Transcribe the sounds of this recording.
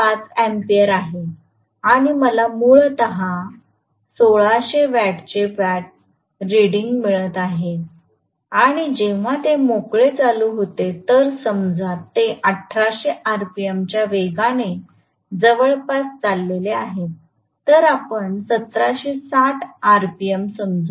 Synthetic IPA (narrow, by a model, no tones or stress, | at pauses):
pat͡sempiəɾaɦe | aɽ̃iməlamuɭt̪əɦa | soɭaɕeʋæʈt͡ɕeʋaʈ̚ | ɾiɽiŋɡmiɭət̪aɦe | aɽ̃id͡ʑeʋ̤at̪emokɭet͡saluɦot̪et̪əɾsəmd͡zat̪ːeʔəʈʰːɾaɕeʔaɾpiemt͡ɕjaʋeɡane | d͡zəʋəɭpast͡salːeleaɦe | t̪əɾapəɳsət̪ɾaɕesaʈʰaɾpiemsəmd͡zu